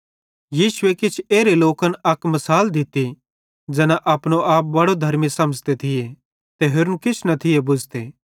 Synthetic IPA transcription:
jiːsʊekɪt͡ʃʰeːɾeloːkənɐkmɐsaːld̪ɪt̪i | d͡ʒɛːnaʔɐːpɽ̃oʔaːp̚bɐɽod̪ʱɐɾmisɐməd͡ʒt̪et̪ʰɪje | t̪eɦʊɾnkɪt͡ʃʰnɐt̪ʰɪjebʊd͡ʒʱt̪eː

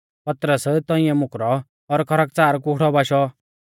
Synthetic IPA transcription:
pɐt̪ɾəst̪ɔ̃ɪ̃ɛmʊkɾɔː | ɾkʰɐɾək̚t͡saːɾkʊɽɔbaːʃɔ

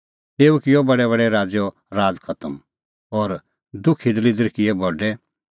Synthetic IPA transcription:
t̪eːukɪjɔbɐɽɛβɐɽɛɾaːd͡zɔ | ɾaːd͡zkʰɐt̪əm | ɔːɾ | d̪ʊkʰid̪lid̪əɾkɪɛbʱɔɖɛ

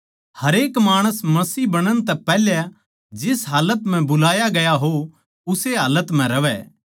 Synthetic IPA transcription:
hɐɾeːkmaːɽ̃əsmɐsiːbɐɽ̃əɽ̃t̪ɛpɛːlja | d͡ʒɪsɦaːlət̪m̤ɛ̃bʊlaːjaɡɐjaɦo | ʊseɦaːlət̪m̤ɛ̃ɾɐʋɛ̰

